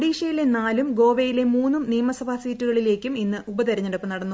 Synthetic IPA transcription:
ɽiːʂɐjile̞naːlumɡo̞ːʋejile̞muːnːumnijɐmɐsɐbʱasiːtːuɣɐɭile̞ːkʲːuminːɨubɐd̪ɐɾɐɲːɐɽɐpːɨnɐɽɐnːu

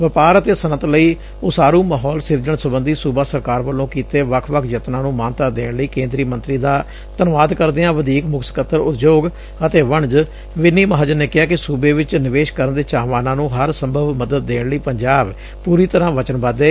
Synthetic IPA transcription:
ʋəpaːɾət̪eːsənət̪ləiː | ʊsaːɾũːmaːɦɔːlsɪɾd͡ʒəɳsəbənd̪iːsuːbaːsəɾkaːɾʋəlːõːkiːt̪eːʋəkʰʋəkʰjət̪nãːnũːmaːnt̪aːd̪eːɳləiːkẽːnd̪ɾiːmə̃nt̪ɾiːd̪aː | t̪ənʋaːd̪kəɾd̪eːãːʋəd̪iːkmʊkʰsə̥kət̪ːəɾʊ̰t̪ʰd͡ʒoːɡ | ət̪eːʋəɳd͡ʒ | ʋɪniːməɦaːd͡ʒəɾneːkɪaːkɪsuːbeːʋɪt͡ʃnɪʋeːʃkəɾənd̪eːt͡ʃaːʋaːnãːnũːɦəɾsəmbʱəʋməd̪əd̪̚ːeːɳləiːpəɲd͡ʒaːb | puːɾiːt̪əɾãːʋət͡ʃənbad̪eː

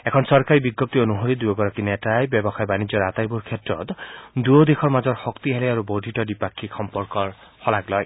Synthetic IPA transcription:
ekʰɔnsɔɹkaɹibiɡːɔp̚t̪ionuɦoɾid̪ujɔɡɔɹakinetajbjɔbɔxajbanid͡ʒɔɹat̪ajbuɹkʰetɹɔ̰t̪d̪uod̪ekʰɔɹmazɔɹxɔkt̪iɦeleaɾubod̪ʱitɔdipakʰːikxɔmpɔɹkɔɹhɔlaɡlɔj

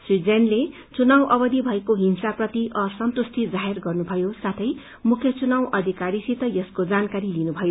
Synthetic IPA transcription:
srid͡zenle | t͡sunawʔʌbʌd̪ibʱʌekoɦinsaprʌt̪iʔʌsʌnt̪ust̪ʰid͡zaɦerɡʌrnubʱʌjosat̪ʰʌj | mukʰjʌt͡sunawʔʌd̪ʱikaɾisit̪ʌjʌskod͡zankaɾilinubʱʌjo

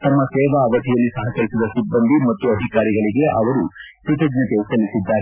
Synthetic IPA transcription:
t̪ɐmːɐsɛːʋɐːʋɐt̪ʰijɐlːisɐɦɐkɐɾisid̪ɐsibːɐnd̪ʱimɐt̪ːuɐd̪ʱikaːɾiɡɐɭiɡe̞ʔɐʋɐɾuput̪ɐɡɲɐt̪eːsɐlːisid̪ːaːɾ

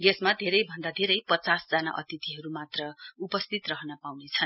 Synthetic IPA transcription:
ɡesmad̪ʱeɾʌjbʱʌnd̪ad̪ʱeɾʌjpʌt͡sasd͡zana̰ʔʌ̰t̪it̪iɦʌɾumat̪rʌupʌst̪ʰit̪rʌɦʌnʌpawnet͡sʰʌn

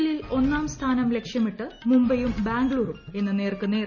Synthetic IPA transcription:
lilo̞nːaːmst̪ʰaːnɐmle̞kʂjɐmiʈːɨmumbɐjumbaːŋɡɭuːrume̞nːɨne̞ːrkɨne̞ːr

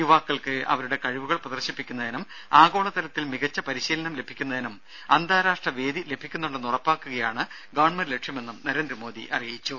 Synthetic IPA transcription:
juʋaːkːɐɭkɨɐ̰ʋɐɾuɽe̞kɐɻiʋuɣɐɭprɐðɐrɕɐpːikʲːunːɐðinum | aːɡo̞ːɭɐt̪ɐlɐt̪ːilmiɣɐt͡ɕːɐpɐɾiɕiːlɐnɐmle̞bʱikʲːunːɐðinum | ɐnd̪ʱaːɾaːʂʈrɐʋe̞ːd̪ile̞bʱikʲːunːuɳɖɨnurɐpːaːkːuɣɐjaːɳɨ | ɡɐʋɐɳmɐɾle̞ʈʂjɐme̞nːumnɐɾe̞ːnd̪ɾɐmo̞ːd̪ḭʔɐrijjit͡ɕːu

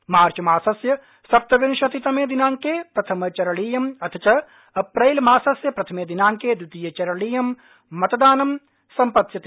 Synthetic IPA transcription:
maːɾt͡ʃɐmaːsɐsjɐ | sɐp̚t̪ɐʋinʃɐt̪it̪ɐmeːd̪inaːŋkeːpɾɐt̪ʰɐmɐt͡ʃɐɾɐɭiːjɐmɐt̪ʰɐt͡ʃɐ | ɐpɾɐjlmaːsɐsjɐpɾɐt̪ʰɐmeːd̪inaːŋkeːd̪ut̪iːjɐt͡ʃɐɾɐɭiːjɐmː | ɐt̪ɐd̪aːnɐm | sɐmpɐt̪jɐt̪i

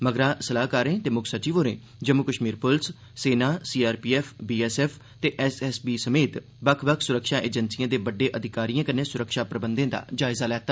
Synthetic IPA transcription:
məɡɾãːsəlaːɦkaːɾẽːt̪eːmʊkʰsət͡ʃiːʋoːɾḛ̃ː | d͡ʒəmːukəʃmiːɾpʊls | seːnaːsiːaːɾpiːɛːpʰbiːɛːsɛːpʰ | t̪eːʔɛsɛsbiːsəmeːt̪ | bəkʰbəkʰsʊɾəkʃaːʔeːd͡ʒənsijãːd̪eːbəɖːeːʔəd̪ʱɪkaːɾijãːkənẽːsʊɾəkʃaːpɾəbənd̪ẽːd̪a̰ːd͡ʒaːɪzaːlɛːt̪ːa

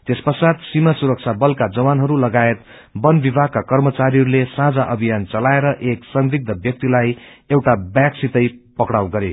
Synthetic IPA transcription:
t̪espʌsad̪simasuɾʌk̚t͡sʰabʌlkad͡zʌwanɦʌɾulʌɡaet̪ | bʌnbibʱaɡ̚kakʌrmʌt͡saɾiɦʌɾulesãd͡zaʔʌbʱijant͡sʌlaeɾʌʔeksʌŋɾiɡ̚d̪ʌbjʌk̚t̪ilajewʈabjaksit̪ʌjpʌkɽawɡʌɾḛ

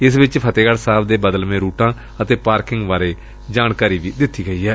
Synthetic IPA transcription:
ɪsʋɪt͡ʃpʰət̪eːɡəɽsaːbd̪eːbəd̪əlmẽːɾuːʈãː | ət̪eːpaːɾkɪŋɡʋaːɾeː | d͡ʒaːnkaːɾiːʋiːd̪ɪt̪ʰːiːɡəiːɦɛː

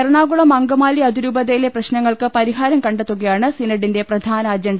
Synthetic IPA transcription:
ɐɾɳaːɡuɭɐmɐŋɡɐmaːliɐd̪iɾuːbɐðɐjileprɐɕnɐŋːɐɭkɨpɐɾiɦaːɾɐmkɐɳɖet̪ːuɣɐjaːɳɨsinɐɽinde̞prɐd̪ʱaːnɐːd͡ʑɐɳɖɐ

